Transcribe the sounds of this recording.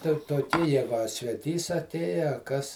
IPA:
tʲɛn toːˈkʲiː ˈjæːɡʊ ɐ sʲʋʲɛˈtʲiːs ɐˈtʲeːjɛ ɐ ˈkɐs

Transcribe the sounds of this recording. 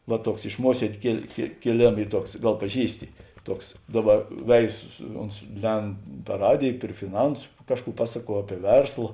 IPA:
ʋɐ ˈtuɔks ɪʃ ˈmuɔsʲiɛdʲeː kʲeːlˠ kʲeː kʲeːˈlʲeːmɐ ˈiː ˈtuɔks ˈɡɐlˠ pɐˈʒʲiːsʲtʲɪ ˈtuɔks ˈdɑːˌbɐ ˈʋʲɛɪzʊ sʊ ˈoːns ˈlʲɛnt pɐr ˈrɑːdʲeːj pʲrʲɪ fʲɪˈnɐnsʊ ˈkɑːʃˌkuː ˈpɑːsɐˌkuɔ ˈɑːpʲiɛ ˈʋʲɛrslˠɐ

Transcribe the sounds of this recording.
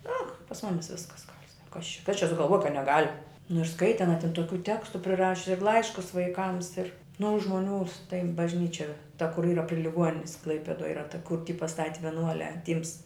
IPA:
noː pɐs ˈmʊmʲɪs ˈʋʲɪskɐs ɡɐlʲ sɐk kɐs t͡ʃʲɛ kɐs t͡ʃʲɛ sʊɡɐlˠˈʋuɔj kɐt nʲɛˈɡɐlʲ nʊ ɪr ˈskɐɪtʲɪ ɐˈnɐ tʲɪn toːˈkʲuː ˈtʲæːkstʊ pʲrʲɪˈrɑːʃʲʊs ɪr ˈlˠɐɪʃkʊs ʋɐɪˈkɐms ɪr nʊ oː ʒmoːˈnʲuː tɐɪ bɐʒʲˈnʲiːt͡ʃʲɛ tɐ kʊr ˈiːrɐ pʲrʲɪ lʲɪˈɡuɔnʲɪnʲɪs ˈklˠɐɪpʲɛdoːj ˈiːrɐ tɐ kʊr tʲɪ pɐˈstɑːtʲɪ ʋʲiɛˈnuɔlʲæː ˈtʲiːms

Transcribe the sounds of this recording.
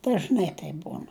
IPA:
dɐʒˈnɐɪ tɐɪp ˈbuːn

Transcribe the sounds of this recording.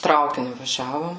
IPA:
ˈtrɐʊkʲɪnʲʊ ʋɐˈʒʲæːʋoːm

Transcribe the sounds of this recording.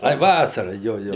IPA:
ˈɐɪ ˈʋɑːsɐrɐ ˈjoː ˈjoː

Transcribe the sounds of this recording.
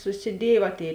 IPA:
sʊsʲɪˈdʲiɛj ʋɐ ˈtʲeːɪ

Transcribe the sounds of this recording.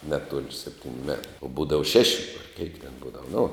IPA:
ˈnʲæːˌtuɔlʲ ˈsʲæːpʲtʲɪnʲʊ mʲɛt oː ˈbuːdɐʋɐ ˈʃʲæːʃʲɪ ɐr kʲɛɪk tʲɛn ˈbuːdɐʋɐ nʊ

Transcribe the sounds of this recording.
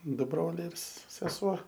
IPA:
ˈdʊ ˈbroːlʲɛɪ ɪr s sʲɛˈsuɔ

